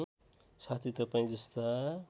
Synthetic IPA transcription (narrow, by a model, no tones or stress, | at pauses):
sat̪ʰit̪ʌpaĩd͡zʌst̪a